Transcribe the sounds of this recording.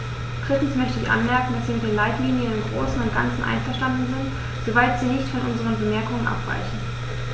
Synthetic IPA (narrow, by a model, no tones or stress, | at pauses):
d̥ʁɪtn̩smœçtəɪçʔa̰nmɛɐkŋ̩dasz̥iːmɪtdeːnlaɪtliːnjənɪmɡʁo̰ːsn̩ʊnt̚ɡ̥a̰nt͡sn̩ʔa̰ɪnfɛɐʃtandn̩zɪnt | z̥ovaɪtz̥iːnɪçtfɔnʔʊnzəʁ̞ənbəmɛɐkʊŋənʔa̰pv̥a̰ɪçn̩